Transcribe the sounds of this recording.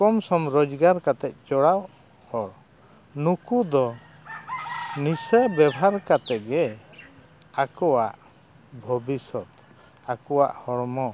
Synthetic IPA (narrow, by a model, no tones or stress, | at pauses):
kɔmsɔmɾɔd͡ʒɡaɾkat̪ɛt̪̚ˀt͡ʃɔɽaw | hɔɽ | nukud̪ɔ | nisəbɛbʱaɾkat̪ɛt̪̚ɡɛ | akɔwaʔ | bʱɔbisɔt̪ | akɔwa̰ʔhɔɽmɔ